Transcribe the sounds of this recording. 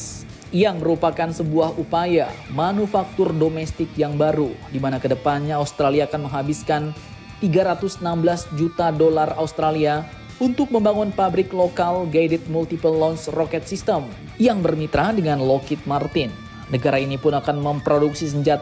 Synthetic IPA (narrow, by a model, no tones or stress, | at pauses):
jaŋməɾupakansəbuahupajamanufak̚t̪ʊrdomɛst̪ɪkjaŋbaɾudimanakədəpanɲaːust̪ɾaliaːkanməŋɦabiskan | t̪iɡaɾat̪ʊsənambəlasd͡ʒut̪adolaraust̪ɾalia | unt̪ʊk̚məmbaŋʊnpabɾɪklokalɡadɛt̪̚mult̪ipəlːɔnsrokɛt̪̚sist̪əm | jaŋbərmit̪ɾadəŋanlokɪt̪̚mart̪ɪnː | əɡaɾainipʊnakanməmpɾoduksis̬əɲd͡ʒat̪